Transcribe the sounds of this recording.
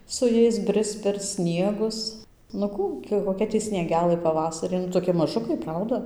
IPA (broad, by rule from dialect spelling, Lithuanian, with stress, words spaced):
sʊ ˈjɛɪs ˈbʲrʲɪst͡s pʲɛr ˈsʲnʲiɛɡʊs nʊ ˈkuː ɡʲɪ koːˈkʲɛ ˈtʲiː sʲnʲiɛˈɡʲæːlˠɘ pɐˈʋɑːsɐrʲɪ nʊ toːˈkʲɪ mɐˈʒʊkɐɪ ˈprɐʊdɐ